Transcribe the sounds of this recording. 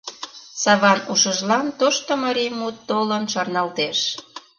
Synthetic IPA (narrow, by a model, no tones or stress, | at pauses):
sɑβɑnuʃəʒlɑnt̪oʃt̪omɑɾijmut̪ːolənʃɑrnɑlt̪eʃ